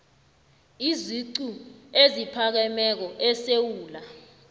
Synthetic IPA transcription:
iziǀuezipʰak̬ɛmɛk̬ɔʔɛsewuːla

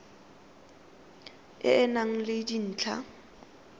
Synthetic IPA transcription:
ɪ̰ɛnaŋ̩lɪdin̩ːt͡ɬʰa̰

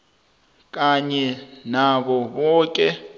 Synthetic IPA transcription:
k̬ʼaɲɛnaɓɔɓɔːkʼɛ

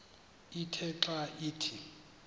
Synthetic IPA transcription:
itʰɛǁaiːtʰi

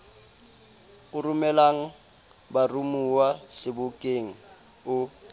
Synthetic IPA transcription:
ʊrʊmɛlaŋ̩ | barumuwasɪbʊkʼeŋ̩ | ʊ

